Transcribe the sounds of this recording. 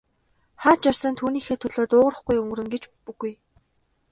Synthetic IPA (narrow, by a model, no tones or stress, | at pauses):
χaːt͡ɕarsə̆nt̪ʰuːniːxeːt̪ʰɵɮoːt̪ʊːʁə̆rə̆χɡujɵŋɵ̆ɾɵ̆ŋɡet͡ɕpuɣuj